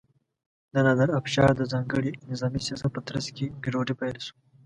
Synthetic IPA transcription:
d̪ɐnad̪ɐɾɐfʃɑːɾd̪əzɑːŋɡəɽinɪzɑːmisjasɐpət̪ɾɐskeɡiɾoːɖipalsu̥

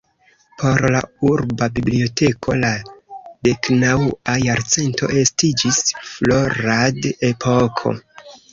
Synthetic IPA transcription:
pʰo̞ɾla̰uɾbabiblio̞tʰe̞kʰo̞lade̞knawajaɾt͡se̞nto̞̰ʔe̞stid͡ʒisfloɾadepʰokʰo̞̰

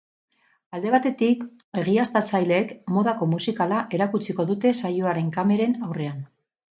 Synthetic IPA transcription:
ald̪e̞β̞at̪e̞t̪ik | e̞ɣ̞iast̪at͡sajle̞ːkmo̞ðako̞musikalaʔe̞ɾakut͡siko̞ðut̪e̞sajoaɾe̞ŋkame̞ɾe̞nawre̞an

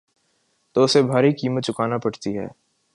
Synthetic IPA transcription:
t̪oːʊsebʱaːɾikiːmət̪̚t͡ʃʊkaːnapɐɽt̪iɦɛ̰ː

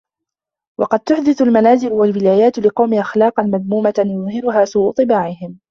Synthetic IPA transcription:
wɑqɑd̪̚t̪ʊħd̪ɪθʊlmanaːzɪlʊwalwɪlaːjaːt̪lɪqɑwmɪʔaxlɑːqɑnmaðmuːmat̪jʊðˤhɪɾʊɦaːsuːʔʊt̪ˤɨbaːʕɪhɪm

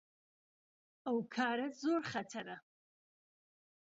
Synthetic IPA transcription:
awkʰaːɾɐzoːɾχatʰaɾa

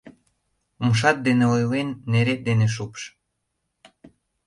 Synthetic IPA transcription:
umʃ̬ɑt̪̚d̪eneojlenːeɾet̪̚d̪eneʃ̬upʃ

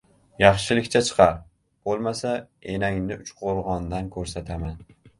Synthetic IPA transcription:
jɑχʃɪlɪkʲt͡ʃʰat͡ʃʰɨ̥qʰɑɾ | b̥olˠmasa | enaŋnɪʊt͡ʃqʰoɾˠʁɒnd̪ankʰɵɾsat̪ʰaman

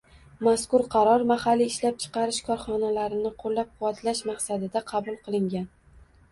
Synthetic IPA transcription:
maskʊɾqʰɑɾɒɾmahalːiːʃlap̚t͡ʃʰɨ̥qʰɑɾɪʃkʰɒɾχɒnalaɾɪnɪqʰolːap̚qʰʊwat̪ʰlaʃmaqsad̪ɪd̪aqʰɑbʊlˠqʰɨlˠɪŋɡʲan

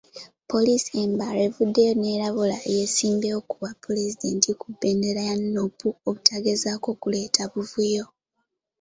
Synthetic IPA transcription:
po̞lisie̞mbaɾe̞vudːe̞jo̞ne̞ːɾaβula̰je̞siːmbeokuβapːulezide̞ntʰikubːe̞ːnde̞ɾajanːopuoβutʰaɡezaːko̞kule̞ːtʰaβuvujo̞

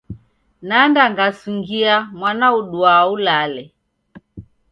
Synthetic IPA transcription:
nandaŋɡasuŋɡiamwanauɗuaulalɛ

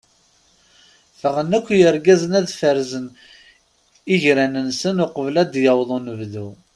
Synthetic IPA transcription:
fəʁənækʷːjəɾɡæzənæðfəɾzən | iʝɾænənsənʊqəvlæd̪jɑwðˤonəvðu

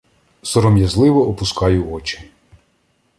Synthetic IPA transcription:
sɔɾɔmjɐzlˠɪʋɔɔpʊskɑjʊɔt͡ʃɪ̥

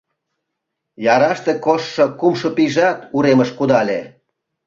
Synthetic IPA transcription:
jɑɾɑʃt̪ekoʃːokumʃopiʒɑt̪uɾeməʃkud̪ɑlʲe

